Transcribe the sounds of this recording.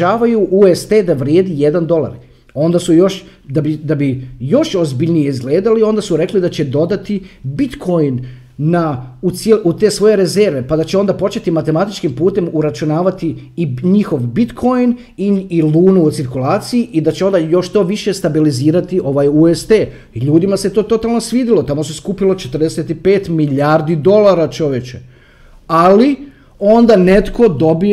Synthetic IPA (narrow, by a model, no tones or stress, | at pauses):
aːʋajuʔuest̪ed̪aʋɾjeːd̪ije̞d̪and̪o̞lˠa̰ɾ | o̞nd̪asujo̞ʃ | d̪abid̪abijo̞ʃo̞zbiʎnijeizɡle̞ːd̪alio̞nd̪asuɾe̞klid̪at͡ɕe̞d̪o̞d̪at̪ibit̪kʰo̞jnː | aut̪selut̪e̞ːsʋo̞je̞ɾe̞ze̞ɾʋe̞pad̪at͡ɕeo̞nd̪apo̞t͡ʃe̞t̪imat̪e̞mat̪it͡ʃkimpuːt̪e̞muɾat͡ʃunaːʋat̪iiɲixo̞ʋbit̪kʰo̞jn | iiluːnuːt̪siɾkulˠaːt̪sijiʔid̪at͡ɕeo̞nd̪ajo̞ʃt̪o̞ːʋiʃe̞st̪abiliziːɾat̪iʔo̞ʋajuest̪e | iʎuːd̪imaset̪o̞ːt̪o̞t̪alˠno̞sʋiːd̪ilo̞t̪amo̞seskuːpilo̞t͡ʃet̪ərd̪eset̪ipe̞ːt̪miʎaɾd̪id̪o̞lˠaɾat͡ʃo̞ʋjet͡ɕe | ali | o̞nd̪ane̞t̪ko̞d̪o̞bi